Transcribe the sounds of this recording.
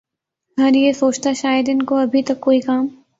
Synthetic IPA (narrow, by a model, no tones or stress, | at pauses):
ɡɐɾjesoːt͡ʃt̪aʃaːjəd̪ɪnkoɐbʱit̪ɐkːoːikaːm